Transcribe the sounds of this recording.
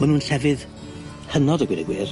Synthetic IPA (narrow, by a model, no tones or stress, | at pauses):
mənũnɬɛvɨð | hənɔdəɡwɪnɛɡwɪːr